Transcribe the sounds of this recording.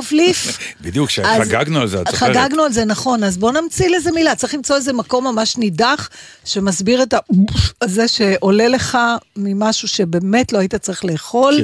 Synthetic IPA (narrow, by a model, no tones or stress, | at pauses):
avlif | bid̪ijukʃeazɡaɡnualzeaχaɡaɡnualzenaχo̞nazbo̞namt͡sileze̞milatt͡saʁiχlimt͡so̞eze̞mako̞mːamaʃnidaχ | ʃe̞masbiʁetauzeʃe̞ʔo̞le̞le̞χamimaʃuʃe̞be̞ːme̞tloaitat͡saʁiχle̞ːχo̞l